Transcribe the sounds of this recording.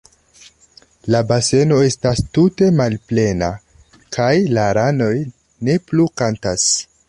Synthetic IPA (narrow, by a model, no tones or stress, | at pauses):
labase̞no̞e̞stastute̞malple̞na | kʰajlaɾano̞j | ne̞plukantas